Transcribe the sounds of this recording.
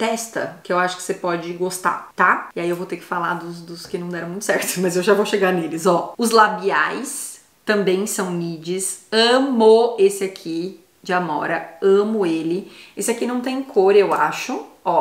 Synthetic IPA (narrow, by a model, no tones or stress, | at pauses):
t̪ɛst̪ɐ̰kɪewaʃʊ̥kɪ̥sepɔd͡ʒɪɡost̪a̰t̪aiaiewvowt̪eɾkɪ̥falaɾd̪ʊzd̪ʊskɪnɐ̃w̃d̪ɛɾɐ̃ũj̃t̪ʊ̥sɛɾt̪ʊ̥mɐzewʒavowʃeɡaɾnelɪzɔʊzlabiajs | t̪ɐ̃mbẽj̃sɐ̃w̃nid͡ʒɪsɐ̃moesɪakʰi | d͡ʒɪamɔ̰ɾɐɐ̃mʊelɪesɪakinɐ̃w̃t̪̬ẽj̃kʰoɾewaʃʊɔ